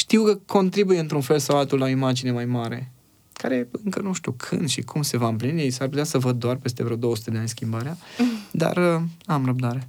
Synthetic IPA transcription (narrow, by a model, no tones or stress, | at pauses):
ʃt̪iwkəkʰo̞nt̪ɾibujeɨnt̪ɾunfe̞lsawalt̪ulːaoimad͡ʒine̞majmaɾe̞̰ | kaɾe̞ɨŋkənuʃt̪ṵkʰɨ̰nd̪ʃikʰumse̞vaɨmplinisarp̬ut̪easəvəd̪̚ːoarpe̞st̪evɾeod̪o̞wəsu̥t̪e̞d̪eanʲskʲimbaɾead̪a̰rəamrəb̚d̪aɾe̞